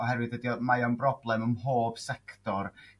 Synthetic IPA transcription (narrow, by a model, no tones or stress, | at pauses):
ɔɦɛɾwɨdədiɔmajɔnbrɔblˠɛməmhoːb̥sɛktɔr